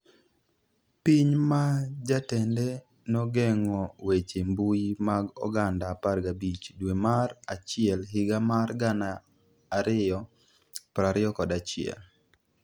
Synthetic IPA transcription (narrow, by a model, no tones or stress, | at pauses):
piɲmad͡ʒatɛndɛ | nɔɡɛŋɔwet͡ʃembujimaɡɔ̰ɡandaparɡabit͡ʃdwemarat͡ʃɪɛlɦɪɡamarɡanaː | ɾɪjɔ | pɾaɾɪɔkɔdat͡ʃɪɛ̰l